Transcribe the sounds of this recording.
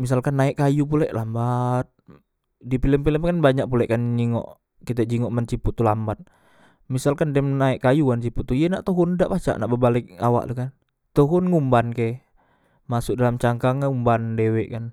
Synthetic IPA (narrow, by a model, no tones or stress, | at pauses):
mis̬alkanːaɛʔkːajup̬ulɛʔlambat̪̚ | dipiləmpiləmkanbaɲaʔ̚pulɛʔkanɲiŋɔ̰ʔ | kit̪̬ɛd͡ʒiŋɔʔmant͡ʃiput̪ːulambat̪̚ | misalkandɛmnaiʔkajukant͡ʃiput̪ːuijenaʔt̪uɦundaʔpat͡ʃa̰ʔnaʔbəbalɪk̚a̰wa̰ʔt̪ukan | t̪uɦʊnŋumbanke | masʊk̚dalamt͡ʃaŋkaŋumbandewɛʔkan